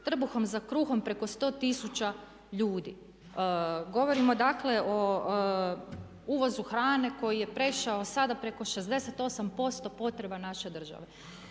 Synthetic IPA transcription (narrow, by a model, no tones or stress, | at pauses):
t̪r̩buxo̞mzakɾuːxo̞mpɾe̞ko̞st̪o̞ːt̪isut͡ɕa | ʎuːd̪ḭ | ɡo̞ʋo̞ɾimo̞d̪akle̞ʔo | uːʋo̞zuxɾaːne̞ko̞jije̞pɾe̞ʃaosad̪apɾe̞ko̞ʃe̞zd̪e̞se̞t̪o̞sampo̞st̪o̞po̞t̪ɾe̞banaʃe̞d̪r̩ʒa̰ʋe